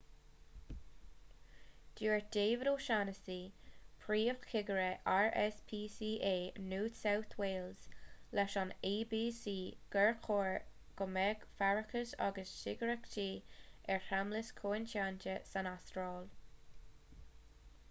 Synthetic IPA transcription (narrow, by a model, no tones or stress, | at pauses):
d̥iːɹd̪̥eːvəɾoːʃanəsiːpʰɹiːəxkʰɪɡəɹɛʔaɹɛspʰiːsiːʔeːnuːt̪sawθʰweːlz̥lɛʃɔneːbiːsiːɡ̥ɛɹkʰoːɹ | ɡ̥ɔmɛɡfaɹəkəsa̰ɡəsʃɪɡəɹɛktʰiːɛɹhamləskʰoːɪntaːntəsanastɾɑːl